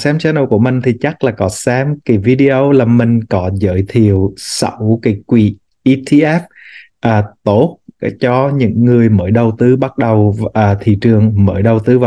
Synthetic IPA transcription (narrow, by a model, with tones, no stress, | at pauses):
saː˨˦mt͡ɕɛ˧nə˧wku˧˩əmï˨˩ŋ̟t̪ʰi˨˩t͡ɕa˦˥k̚laː˨˩kɔ˨˦saː˨˦mki˨˦vi˧ɗi˧ʔo˧wlaː˨˩mï˨˩ŋ̟kɔ˨˦zə̰ː˧˦jt̪ʰi˧˨əwsə̰˧˩wki˨˦kwi˧˩ | ʔi˧t̪ʰi˧ʔɛ˦˥p̚ | ʔaː˨˩t̪o˦˥t̚t͡ɕɔ˧ɲɨ̰˧˥ŋːɨ˨˩əjməː˧˦jɗə˨˩wt̪ɨ˨˦ɓa˦˥t̚ɗə˨˩wʔaː˨˩t̪ʰḭ˧˨t͡ɕɨ˨˩əŋməː˧˩˦jɗə˨˩wt̪ɨ˨˦vaː˨